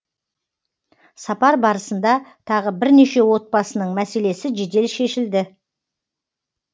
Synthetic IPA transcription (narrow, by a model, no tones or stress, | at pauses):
sɑpɑɾbɑɾəsənd̪ɑt̪ʰɑʁəbɪɾne̞ʃe̞wo̞t̪̚bɑsənəɴmæse̞le̞sɪʒed̪e̞lʃe̞ʃɪld̪ɪ